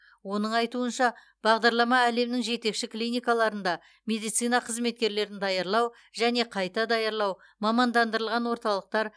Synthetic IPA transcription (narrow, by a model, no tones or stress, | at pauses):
wo̞nəɴɑjt̪uənʃɑ | b̥ɑʁd̪ɑɾlˠɑmɑæle̞mnɪŋʒe̞t̪e̞kʃɪklijnʲijkɑlˠɑɾənd̪ɑ | mʲe̞d̪ijt̪sɨjnɑqʰəzme̞t̪̚kʲe̞ɾle̞ɾɪnd̪ɑjɑɾlˠɑw | ʒ̥æne̞qʰɑjt̪ɑd̪ɑjɑɾlˠɑw | mɑmɑnd̪ɑnd̪əɾəlˠʁɑnwo̞ɾt̪ɑlˠəq̚t̪ɑɾ